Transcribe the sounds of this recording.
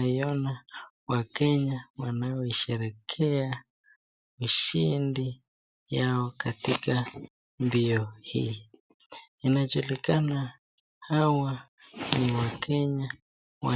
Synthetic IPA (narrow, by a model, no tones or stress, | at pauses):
iɔna | wakɛɲawanaɔiʃɛɾɛkʰɛa | uʃindi | jaɔkatika | mbiɔhḭː | inad͡ʒulikana | hawa | niwakʰɛɲa | wa